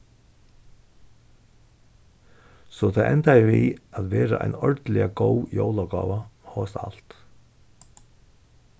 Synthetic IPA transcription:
sɔt̪ʰaʔɛnt̪ajɪviaðʋɛːɾaʔa̰jnɔɹt̪lɪaɡowjowlaɡɔ̰ːʋahɔːst̪al̥t̪

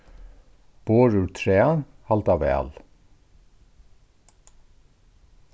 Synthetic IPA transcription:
b̥oːɹʉːtʰɹeːɑnhɑlt̪ɑʋḛːɑ̰l

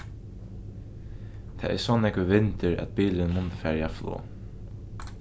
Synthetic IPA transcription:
t̪ʰɛ̰ːɛ̰sɔːnɛkʋɪʋɪnt̪ɪɾæ̰t̪̚biːlɪnmʊnt̪ə̥fæːɾaflɔ̰ː

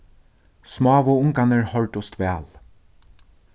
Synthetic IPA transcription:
smɑːʋʊʊŋkanəɹhɔlt̪ʊst̪ʋɛːl

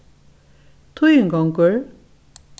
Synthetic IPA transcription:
t̪ʰujyŋɡɔŋkøɹ

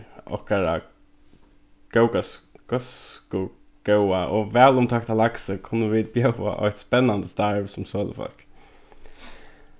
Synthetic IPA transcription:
ɔ̰hkaɹa̰ | ɡ̥ɛʊkasɡ̥ɔskʊ | ɡ̥ɛwaʔɔvɛːlʊmt̪ʰɔkt̪ʰalaksəkʰʊnːəʋiːd̪̚bjɛʊa̰ʔɔ̰jht̪spɛnːand̪əst̪aɹʋsʊmsoːlə̰fɔ̰l̥k

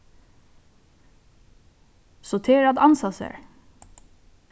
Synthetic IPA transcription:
soːt̪ʰeːɾɑd̪ɑnsɑsə̰ɹ

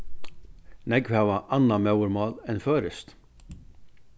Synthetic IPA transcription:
nɛɡʋɛːʋaʔanːamœwɾmɑːlɛnføːɾɪst̪

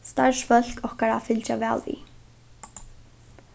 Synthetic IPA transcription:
st̪aɹsfœl̥kɔhkaɾafɪlt͡ʃaʋɛːlʋḭ

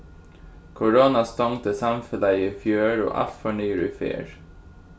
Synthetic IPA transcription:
kʰʊɹoːnɑst̪ɑŋt̪əsɑmfəlæɪifjøːɹo̰ːʔɑ̰lt̪fɔɳyːɾḭːfḛːɹ

